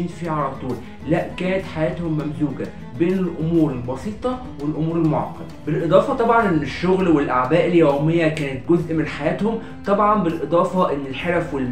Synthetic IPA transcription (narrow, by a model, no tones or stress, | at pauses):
iːnfiʕɑlɑt̪ˤuːl | læʔkæːnæt̪ħajæːt̪homːæmzuːɡæ | beːnelʔomuːɾelbɑsiːt̪ˤɑ | welʔomuːɾelmoʕɑ̰qːɑd̪ɑbelʔed̪ˤɑːfɑt̪ˤɑbʕɑnʔenːeʃːoɣlwelʔaʕbæːʔeljæwmejːækæːnæt̪̚ɡozʔmenħajæːt̪hom | t̪ˤɑbʕɑnbelʔed̪ˤɑːfɑʔenːelħeɾæfwelm